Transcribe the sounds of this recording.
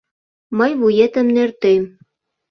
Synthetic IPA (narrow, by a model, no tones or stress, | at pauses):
mɤjβujet̪ə̆mnert̪em